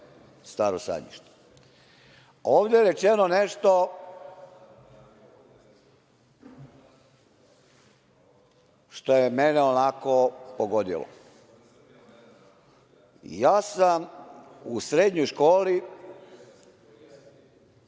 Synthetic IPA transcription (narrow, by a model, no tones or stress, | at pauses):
st̪aːɾosa̰ɲḭʃt̪e̥ | oːʋd̪jeɾet͡ʃenoneʃt̪o̞ | ʃt̪o̞jemeneonako̞poɡod̪ḭlˠo̰ | jaːsam | usɾed̪ɲojʃkoːli